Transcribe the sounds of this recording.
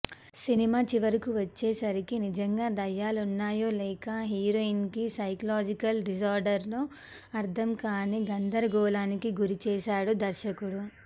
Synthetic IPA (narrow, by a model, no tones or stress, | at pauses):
sinimaːt͡ʃiʋɐɾikuʋɐt͡ʃːeːsɐɾikinid͡ʒɐŋɡaːd̪ɐjːaːlunːaːjo̞ːlɛːkɐɦiːɾoːinkisɐjkɐlaːd͡ʒikɐlɖisaːɾɖɐɾlo | ɐɾt̪ʰɐmkaːniɡɐnd̪ɐɾɐɡɔːlaːnikiɡuɾit͡ʃɛːʃaːɽud̪ɐɾʃɐkuɽu